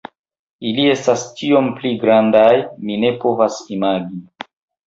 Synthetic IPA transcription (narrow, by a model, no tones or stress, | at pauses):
ilie̞stast͡ʃio̞mpliɡɾandajmine̞po̞vasimaɡi